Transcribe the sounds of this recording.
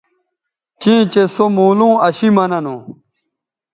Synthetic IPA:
t͡ɕĩːt͡ɕesomũːlũːɐɕimɐnɐnõː

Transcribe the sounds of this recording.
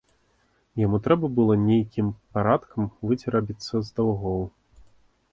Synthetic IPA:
jamut̪ɾɛbɐbɨlˠɔnʲejkʲimpaɾat̪kʰɐmvɨd͡zʲɛɾabʲit̪sːɐzd̪awɣɔw

